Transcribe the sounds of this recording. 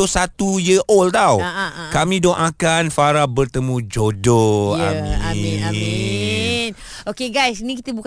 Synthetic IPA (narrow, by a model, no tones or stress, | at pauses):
osat̪ujəʔolt̪awkamĩdɔʔakanfaɾabərt̪əmud͡ʒodoa̰mi | n | okeɡajsnikit̪əbuk